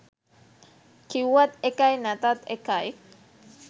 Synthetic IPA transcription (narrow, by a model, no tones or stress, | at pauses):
kiwat̪ekajnat̪at̪ekaj